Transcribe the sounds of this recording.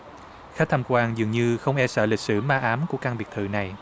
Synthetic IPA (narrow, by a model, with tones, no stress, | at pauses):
xa˦˥t̪ʰa˧mkwaː˧ŋzɨ˨˩əŋɲɨ˧xə˧wŋ͡mʔɛ˧sə̰ː˧˩li˨˩k̟̚sɨ˧˩maː˧ʔaː˨˦mku˧˩əkaː˧ŋɓi˨˩ək̚t̪ʰɨ̰˧˨na˨˩j